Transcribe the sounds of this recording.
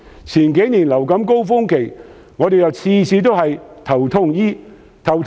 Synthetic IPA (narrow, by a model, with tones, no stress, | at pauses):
t͡sʰiː˨˩nke˨˥jniː˨˩nlɐ˨˩wkɐ˨˥mko˥wfʊ˥ŋkʰe˨˩j | ŋɔː˨˧ɾe˨jɐ˨wt͡sʰiː˧siː˨˧t̪̬o˥whɐ˨jt̪ʰɐ˨˩wt̪ʰʊ˥ŋjiː˥ | t̪ʰɐ˨˩wt̪